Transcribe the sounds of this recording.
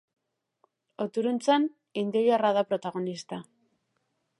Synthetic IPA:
ot̪uɾunt͡san | ind̪iojaraðapɾo̞t̪aɣ̞o̞nist̪a

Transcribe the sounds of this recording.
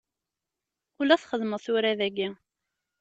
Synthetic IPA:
ʊlæθχəðməðθʊɾæðæɡi

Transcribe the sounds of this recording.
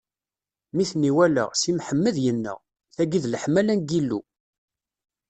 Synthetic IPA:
miθnːiwælə̰ʁsimħəmːəðjənːə̰ʁ | θæɡiðləħmælænɡilːṵ

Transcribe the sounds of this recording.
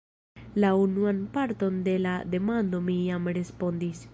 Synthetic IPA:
launuanpaɾto̞nde̞lade̞mando̞mijamɾe̞spo̞ndis

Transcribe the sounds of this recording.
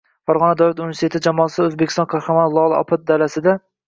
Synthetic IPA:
faɾʁɒnad̪awlat̪unveɾst̪et̪ɪd͡ʒamɒːlsɵzbekʲɪ̥st̪ɒnkʰɑɾχɑmanlˠɒlˠɒ̰pʰat̪̚d̪alasɪd̪a

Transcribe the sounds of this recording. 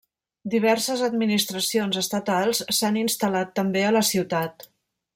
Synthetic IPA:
d̪iβ̞ɛɾsəzəd̪̚minist̪ɾəsionzəst̪ət̪alˠssaninst̪əlat̪ːəmbeələsiwt̪at̪

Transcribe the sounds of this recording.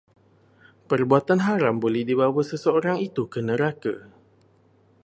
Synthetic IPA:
pərbuat̪anɦaɾambolɛhdiβawasəsəoɾaŋit̪ukənəɾaka̰

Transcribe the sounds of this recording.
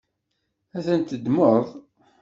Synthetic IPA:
æθənt̪əd̪məɾðˤ

